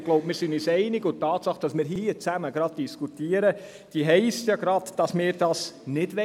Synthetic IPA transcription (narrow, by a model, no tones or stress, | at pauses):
ɡloʊbmɪːɾsɪnysɛɪnɪɡʊtɑːtsɑχd̥ɑsmɪːɾɦiət͡sæməɡ̥ɾɑd̥̚d̥iskutiːəɾə | d̥iɦɛɪstjɑɡɾɑd̥d̥ɑsmɪːɾd̥ɑsnɪdʋɛ